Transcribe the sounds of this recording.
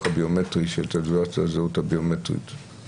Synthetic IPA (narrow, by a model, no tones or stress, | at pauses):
abiometʁiʃeltaduat͡sazeuthabiometʁḭt